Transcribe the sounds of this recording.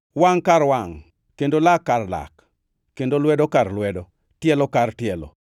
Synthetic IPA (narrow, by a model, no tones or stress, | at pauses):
waŋkaɾwaŋ | kendolakːarla̰kː | endolwɛdokaɾlwɛdɔ | tjɛlɔkartjɛlɔ̰